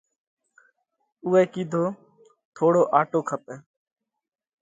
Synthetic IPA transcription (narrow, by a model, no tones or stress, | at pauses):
ʊːɛːkiːd̪ʱoː | t̪ʰoːɽoːʔaːʈoːkʰəp̚ɛː